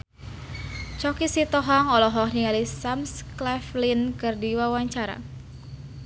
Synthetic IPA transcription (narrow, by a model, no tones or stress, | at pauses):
t͡ʃɔkisit̪ɔɦɔŋɔlɔɦɔhniŋalisamsklɛflinkɨrdiwawaɲt͡ʃaɾa̰